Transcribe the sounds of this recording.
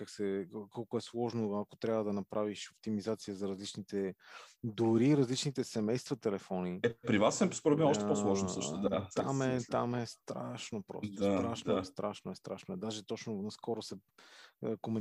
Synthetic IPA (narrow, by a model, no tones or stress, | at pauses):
kaksɛkɔlˠkʊɛslˠɔʒnoɐko̥t̪ɾʲjabvəd̪ɐnɐpɾaviʃopt̪imizat̪sijəzɐɾɐzlit͡ʃnit̪ɛ | d̪ʊɾiɾɐzlit͡ʃnit̪ɛsɛmɛjst̪vɐt̪ɛlɛfɔniɛpɾivasɛskoɾobiɔʃt̪ɛposlˠɔʃnsəʃt̪ʊd̪at̪a̰mɛt̪amɛst̪ɾa̰ʃnopɾɔ̰sosaɾaʃnost̪ɾaʃnoɛst̪ɾa̰ʃnoɛd̪aʒɛt̪ɔt͡ʃnʊnɐskɔɾosɛ | komɛ